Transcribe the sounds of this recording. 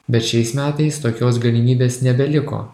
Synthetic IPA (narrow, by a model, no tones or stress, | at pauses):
bʲɛt̪ʃʲɛɪsmʲæːt̪ɐɪst̪oːkʲoːsɡɐlʲɪmʲiːbʲeːsnʲɛbʲɛlʲɪko̰ː